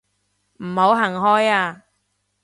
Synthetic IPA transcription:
m̩˨˩ho˨˥wɦɐ˨˩ŋɦɔː˥jaː˧

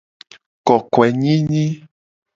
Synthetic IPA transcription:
kɔ˨kwɛ˨ɲĩ˦ɲĩ˦

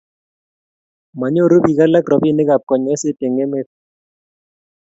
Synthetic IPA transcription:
ma˨ɲo˦˨ɾo˦bi˨ka˦la˦kɾɔ˨bi˦˨ne˦ɡa˨p̚kɔ˨ɲɔ˨˦ɛ˦se˦te˨ŋe˦me˦k̚

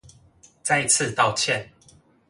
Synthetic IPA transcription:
t͡sa˥˧ɪi˧t͡s̩ʰ˥˨t̪ɑ˥˨ʊt͡ɕʰjɛ˥˨n

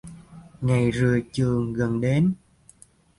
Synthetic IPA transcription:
ŋa˨˩jzɨ˨˩ət͡ɕɨ˨˩əŋɣə˨˩nɗe˨˦n

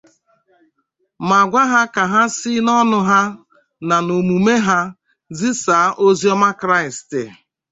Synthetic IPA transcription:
ma˨ɡʷa˦ɦa˦ka˨ɦa˦si˦nɔ˦nʊ˦ɦa˦ | na˨no˨mu˨me˦ɦa˦ | zi˦saː˨˦ʔo˦zi˦ɔ˦ma˦kɾa˦ɪ˨stɪ˨

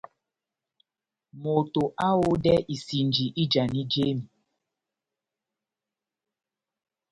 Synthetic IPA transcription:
mo˨to˨ʔa˦wo˦dɛ˦ʔi˨si˨nd͡ʒi˨ʔi˦d͡ʒa˨ni˦d͡ʒe˦mi˨

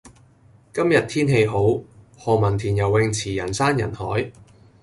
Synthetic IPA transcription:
kɐ˥mjɐ˨t̚t̪ʰiː˥nɦe˧jɦo˨˥w | hɔː˨mɐ˨˩nt̪ʰiː˨˩njɐ˨˩wːɪ˧ŋt͡sʰiː˨˩jɐ˨˩nsaː˥njɐ̰˨˩nhɔ̰ː˨˥j

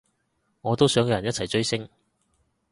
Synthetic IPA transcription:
ŋɔː˨˧t̪o˥wsœː˨˥ŋkɛː˧jɐ˨˩jɐ˥t͡sʰɐ˨˩jt͡ʃɵ˥ɥsɪ˥ŋ

